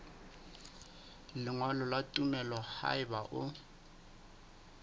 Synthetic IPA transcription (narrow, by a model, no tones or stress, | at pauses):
lɪŋwalɔlatʼumɛlɔha̰ɪbaʔʊ